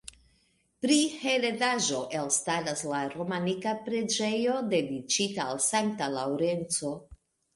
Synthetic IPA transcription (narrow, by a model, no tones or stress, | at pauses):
pɾihe̞ɾe̞daʒo̞ʔe̞lstaɾaslaɾo̞manikapɾe̞d͡ʒe̞jo̞de̞dit͡ʃitaːlsaŋk̚talawɾe̞nt͡so̞